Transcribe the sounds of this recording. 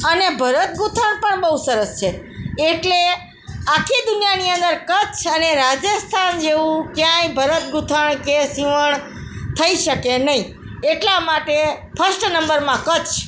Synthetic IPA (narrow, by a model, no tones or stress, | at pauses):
ənebʱəɾət̪̚ɡut̪ʰəɳpəɳbəɦusəɾəst͡ʃʰeː | ʈle | akʰid̪ʊnjaniənd̪əɾkət͡ʃʰəneɾad͡ʒəst̪ʰand͡ʒeʋũkjãjbʱəɾət̪̚ɡut̪ʰəɳ̃kesiʋəɳ | t̪ʰəiʃəkenəɦĩ | eʈlamaʈe | fʰəsʈnəmbəɾmãkət͡ʃʰ